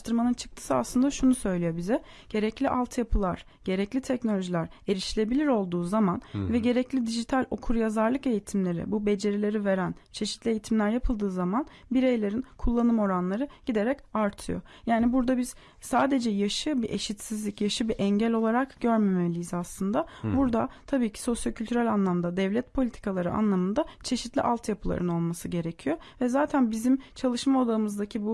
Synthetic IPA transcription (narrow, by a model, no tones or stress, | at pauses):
t̪ʰɯɾmanɯnt͡ʃʰɯ̥k̚t̪ʰɯ̥sɯa̰slˠɯnd̪aʃunusø̞jlʲijo̞bizɛ | ɟ̥e̞ɾɛclʲiʔalˠt̪ʰjapʰɯlˠaɾ̥ | ɟ̥e̞ɾɛclʲit̪ʰɛcno̞lʲo̞ʒilʲæɾe̞ɾiʃilʲe̞bilʲiɾo̞lˠd̪uːzamanvɛɟe̞ɾɛclʲid̪iʒit̪ʰalʲo̞kʰuɾjazaɾlˠɯke̞jit̪ʰimlʲe̞ɾḭbube̞d͡ʒe̞ɾelʲe̞ɾive̞ɾæn | t͡ʃʰe̞ʃit̪lʲie̞jit̪ʰimlʲæɾjapʰɯlˠd̪ɯːzaman | biɾejlʲe̞ɾinkʰulˠːanɯmo̞ɾanlˠaɾɯɟ̥id̪e̞ɾɛcaɾt̪ʰɯjo̞̰ | jaːnibuɾd̪abiz̥ | saːd̪e̞d͡ʒɛjaʃɯbiʔe̞ʃit̪sizlʲicjaʃɯbiʔɛɲɟælʲo̞lˠaɾakɟ̥øɾmemeelʲijizaslˠɯnd̪abuɾd̪at̪ʰabiːcʰi̥so̞sjocʰylʲt̪yɾælʲanlˠamnd̪ad̪ɛvlʲɛt̪̚pʰo̞lʲit̪ʰi̥kʰalˠaɾɯʔa̰nlˠamɯnd̪at͡ʃʰe̞ʃit̪lʲiʔalˠt̪ʰjapʰɯlˠa̰ɾɯno̞lˠmasɯɟe̞ɾecʰijo̞ | vɛzaːt̪ʰænbizimt͡ʃʰalˠɯʃmaod̪aɯmɯzd̪acʰibu